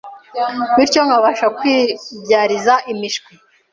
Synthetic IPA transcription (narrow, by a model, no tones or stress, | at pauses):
βiɾco̞ŋaβaʃakwiːbɟaːɾizaʔimiʃkwi